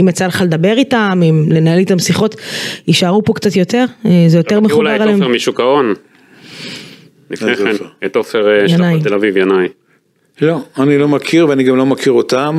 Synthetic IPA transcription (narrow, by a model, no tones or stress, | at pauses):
imat͡saleχale̞d̪abe̞ʁitamimle̞nae̞lit̪amsiχo̞t̪iʃaʁupo̞kt͡sat̪jo̞t̪e̞ʁzejo̞t̪e̞ʁmeuaʁalemʁmiʃukaon | nifeoet̪ofeʁjanajtelavivjanaj | loanilo̞makʰiʁveaniɡamlo̞makʰiʁot̪am